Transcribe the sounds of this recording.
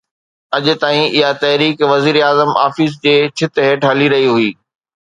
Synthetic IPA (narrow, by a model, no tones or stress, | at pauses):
ɐʄʊ̆t̪aːĩʔɪɦat̪ɐɦɾiːkʋɐziːɾeaːzəma̰ːfiːs̬d͡ʑeːt͡ɕʰɪt̪ɦeːʈɦɐliɾɐɦiɦuiː